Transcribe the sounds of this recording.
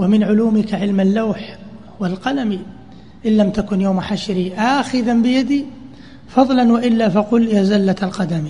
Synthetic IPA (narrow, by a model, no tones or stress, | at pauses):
wamɪnʕʊluːmɪkaʕɪlmalːawħhʊwalqɑlami | ʔɪlːamt̪akʊnjawmħaʃɾiʔaxɪðambɪjad̪iː | fɑðˤlanwaʔɪlːafaqʊljaːzalːatalqɑd̪ami